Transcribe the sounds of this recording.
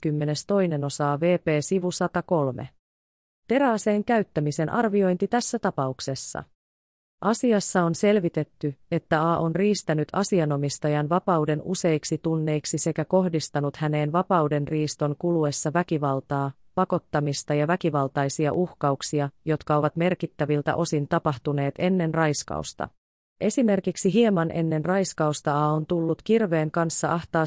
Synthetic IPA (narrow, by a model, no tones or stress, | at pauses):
kymːe̞ne̞st̪o̞jne̞no̞sɑːʋe̞ːpe̞ːsiʋusɑt̪ɑko̞lme̞̰ | t̪e̞ɾɑːse̞ːŋkæyt̪ːæmise̞nʔɑ̰rʋio̞jnt̪it̪æsːæt̪ɑpɑukse̞sːɑ̰ | ʔɑsiɑsːɑo̞nse̞lʋit̪e̞t̪ːye̞t̪ːæɑːʔo̞nriːst̪ænyt̪ɑsiɑno̞mist̪ɑjɑnʋɑpɑwde̞nṵse̞jksit̪unːe̞iksise̞kæko̞hdist̪ɑnut̪hæne̞ːnʋɑpɑwde̞nriːst̪o̞ŋkulue̞sːɑʋækiʋɑlt̪ɑː | pɑko̞t̪ːɑmist̪ɑjɑʋækiʋɑlt̪ɑjsiɑ̰ʔuhkɑuksiɑjo̞t̪kɑo̞ʋɑt̪me̞rkit̪ːæʋilt̪æ̰ʔo̞sint̪ɑpɑht̪une̞ːt̪e̞nːe̞nrɑjskɑ̰ust̪ɑ̰ | ʔe̞sime̞rkiksiɦiemɑnʔe̞̰nːe̞nrɑjskɑust̪ɑɑːont̪ulːut̪kirʋe̞ːŋkɑnsːɑʔɑht̪ɑː